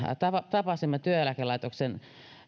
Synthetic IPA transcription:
t̪ɑɑt̪ɑpɑsimːɑt̪yøælækelɑˑit̪oksen

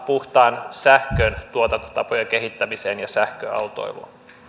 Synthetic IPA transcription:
puht̪ɑːnsæhkøːnt̪uot̪ɑt̪ɑpojɑkeɦit̪ːæmiseːnjɑsæhkø̰ɑ̰wt̪o̰iʋo̰n

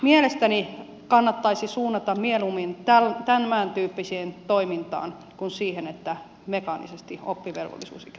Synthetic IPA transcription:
mielest̪æni | kɑnːɑt̪ːɑisisuːnːɑt̪ɑmmielumint̪ælt̪ænmæːnt̪yːpːisiːnt̪oimint̪ɑ̰ːn | kunsiːhenet̪ːæ | mekɑnḭsest̪io̰pːiʋḛlʋo̰lːḭsṵːsik

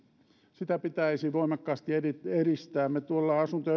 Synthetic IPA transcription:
sit̪æpit̪æisiʋoimɑkːɑːst̪ierierist̪æːmmet̪uolːɑɑsunt̪o

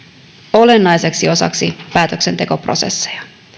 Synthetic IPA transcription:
o̞le̞nːɑjse̞ksio̞sɑ̰ksipæːt̪økse̞nt̪e̞ko̞pro̞̰se̞̰sːe̥jɑ̥

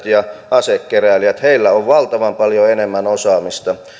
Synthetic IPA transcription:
t̪jɑʔɑsekːeræˑliæt̪heilːæoʋʋɑlt̪ɑʋɑmpɑljoenemːænosɑːmist̪ɑ

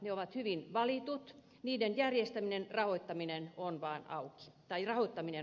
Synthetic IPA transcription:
neoʋɑt̪hyʋinʋɑlit̪ut̪ | niːdenjærjest̪æminenrɑhoit̪ːɑminenonʋɑːnɑ̰uki̥t̪ɑirɑhoit̪ːɑmine

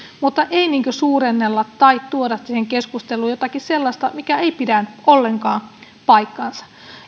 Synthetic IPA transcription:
mut̪ːɑʔeiniːŋkøsuːɾenːelːɑt̪t̪ɑit̪t̪uodɑssiːheŋkeskust̪elˑuːjot̪ɑkisselːɑst̪ɑmikæeipidænʔolːe̞ŋkɑːn | pɑikːɑnsɑ̥

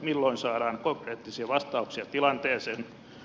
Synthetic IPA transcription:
milːoinsɑːɾɑːŋkoŋkreːt̪ːisiɑʋɑst̪ɑuksiɑt̪ilɑnt̪eːsen

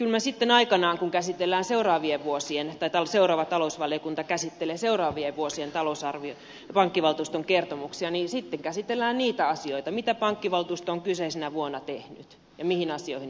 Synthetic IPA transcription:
kylmæsit̪ːenɑikɑnɑːŋkuŋkæsit̪elːæːnseurɑːʋieʋʋuosient̪ɑit̪ɑlseurɑːʋɑt̪ɑlousʋɑliokunt̪ɑkæsit̪ːeleseurɑːʋieʋʋuosient̪ɑlousɑrʋio | pɑŋkːiʋɑlt̪uːst̪oŋkert̪omuksiɑnisit̪ːeŋkæsit̪elːæːnniːt̪æɑsioit̪ɑmit̪æpɑŋkːiʋɑlt̪uːst̪oŋkyseisenæʋuonːɑt̪ehny̰t̪ | jɑmihinɑsioihin

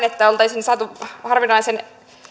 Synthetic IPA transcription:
net̪ːæolt̪ɑisinsɑt̪uhɑrʋinɑisen

